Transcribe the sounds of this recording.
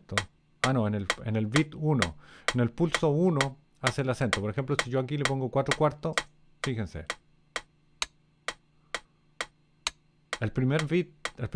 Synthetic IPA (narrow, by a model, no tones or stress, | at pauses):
t̪o | anoenelḛnelβit̪uno̰ene̞lpulsouno | aselase̞nt̪o̞poɾexe̞mplosiʝoakilepoŋɡokwat̪ɾokwaɾt̪o | fixensḛ | elpɾimeɾβit̪̚elp